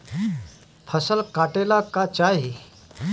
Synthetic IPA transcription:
fʰəsəlkaʈelakat͡ɕaɦi

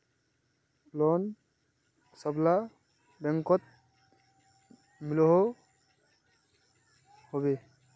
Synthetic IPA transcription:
lɔn | sɔbla | bɛŋkɔt̪̚ | milɔɦɔ | hɔbe

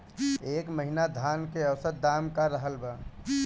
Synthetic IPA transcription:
eːkməɦinad̪ʱankeəwsəɾd̪amkaɾəɦəlba

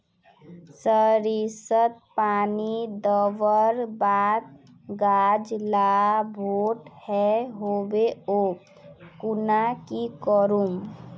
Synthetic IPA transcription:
səɾisət̪̚paːnid̪əʋəɾbaːd̪̚ | ɡaːd͡ʒlabʱoːʈhɛɦobeo | kʊnakikəɾum

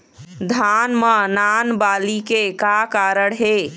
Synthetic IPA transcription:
d̪ʱanmənanbalikekakaɾəɽɦe

